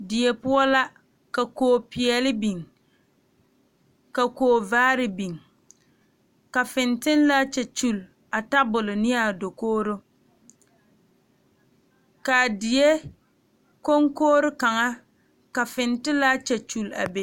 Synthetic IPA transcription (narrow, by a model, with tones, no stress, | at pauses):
dɪ˨je˨pʊ˦ɔ˦la˦ | ka˨koː˨pɪ˨ɛ˨lɪ˦bi˨ŋ | ka˨koː˨˦˨vaː˦ɾɪ˦bi˨ŋ | ka˨fɪ˨ntɪ˦n˦la˦t͡ʃɛ˨t͡ʃu˦˨l | a˨ta˦bʊ˨lʊ˨nɪ˦ja˨do˨koː˦ɾo˦ | ka˨dɪ˨je˦ | ko˦ŋkoː˦ɾʊ˦ka˨ŋa˦ | ka˨fɪ˨ntɪ˦la˦t͡ʃɛ˨t͡ʃu˨la̰˨be˨